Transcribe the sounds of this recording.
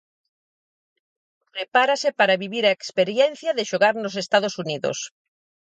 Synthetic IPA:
pɾepaɾasepaɾaβiβiɾaekspeɾjɛn̟θjaðeʃoɣaɾnos̬est̪að̞osuniðo̰s

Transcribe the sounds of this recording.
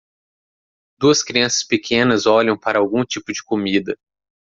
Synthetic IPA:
d̪uɐskɾiɐ̃sɐ̥spɪkʰẽnɐzɔʎɐ̃w̃paɾɐawɡũt͡ʃipʊd͡ʒɪkomid̪ɐ

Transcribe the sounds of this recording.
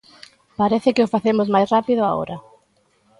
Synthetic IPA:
paɾeθɪkɪofaθemozmajsrapiðʊao̰ɾɐ

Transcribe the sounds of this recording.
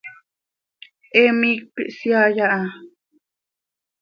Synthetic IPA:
ʔemik̚pḭʔsjajaʔa

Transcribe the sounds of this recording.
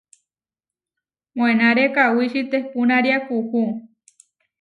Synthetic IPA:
mõenaɾekawiʃit̪epunaɾjakuhu

